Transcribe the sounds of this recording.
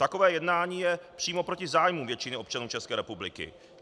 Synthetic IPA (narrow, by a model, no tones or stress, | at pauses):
t̪ako̞vɛːjɛdnaːɲiːjɛpr̥iːmo̞pɾo̞cɪzaːjmumvjɛt͡ʃɪnɪo̞p̚t͡ʃanuːt͡ʃɛskɛːɾɛpublɪ̰kɪ̰